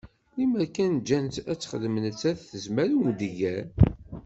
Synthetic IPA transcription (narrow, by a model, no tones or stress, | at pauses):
liməɾkænd͡ʒːænt̪æt͡sːχəd̪mənət͡sːæθθəzmæɾumd̪əʝæ